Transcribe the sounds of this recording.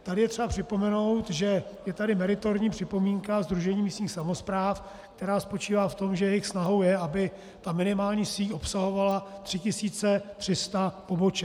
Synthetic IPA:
t̪adɪjɛt̪r̥ɛbapr̝̥ɪpomɛno̞wt̪ʒɛjɛt̪adɪmɛɾɪt̪oɾɲiːpr̥ɪpo̞miːŋkazd̪ɾuʒɛɲiːmiːst̪ɲiːxsamo̞spɾaːf | k̚t̪ɛɾaːspo̞t͡ʃiːvaːft̪o̞mʒɛjɛjɪxsnaɦo̞wjɛʔabɪ | t̪amɪnɪmaːlɲiːsiːʔo̞psaɦo̞valat̪r̥ɪcɪsiːt͡sɛt̪r̝̥ɪst̪apo̞bo̞t͡ʃɛ

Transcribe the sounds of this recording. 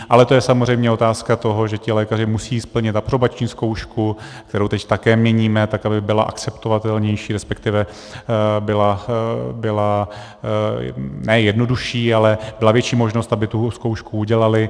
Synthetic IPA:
ʔalɛt̪o̞jɛsamo̞zrɛjmɲɛo̞t̪aːskat̪o̞ɦo̞ʒɛcɪlɛːkar̝ɪmusiːspl̩ɲɪt̪aprobat͡ʃɲiːsko̞wʃkuk̚t̪ɛɾowt̪ɛct̪akɛːmɲɛɲiːmɛt̪akabɪbɪla̰ʔa̰kt͡sɛpt̪ovat̪ɛlɲɛjʃiːɾɛspɛkt̪ɪvɛ | bɪlabɪla | nɛjɛdno̞duʃiːalɛbɪlavjɛt͡ʃiːmo̞ʒnost̪abɪt̪uskowʃkuuɟɛlalɪ

